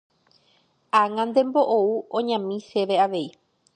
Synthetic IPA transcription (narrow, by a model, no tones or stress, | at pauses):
aŋãnd̪e̞mbo̞ʔouõɲãmĩʃe̞ʋe̞aʋe̞i